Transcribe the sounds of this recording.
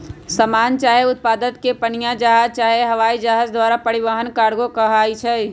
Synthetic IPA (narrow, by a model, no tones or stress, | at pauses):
səmaːnt͡ʃaːɦeʊt̪̚paːd̪ət̪̚kepənijãd͡ʒaɦaːzt͡ʃaːɦeɦəʋaːid͡ʒaɦazd̪ʋaːɾapəɽɪʋəɦənkaːɾɡokəɦaːit͡ʃʰɛ